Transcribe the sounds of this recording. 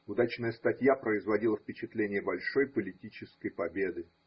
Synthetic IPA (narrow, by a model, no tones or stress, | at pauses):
ʊd̪at͡ɕnəjəst̪ɐtʲjapɾəɪzvɐdʲilˠəfpʲɪt͡ɕɪt̪lʲenʲɪjəbɐlʲʂo̞jpəlʲɪtʲit͡ɕɪskəjpɐbʲe̞d̪ɨ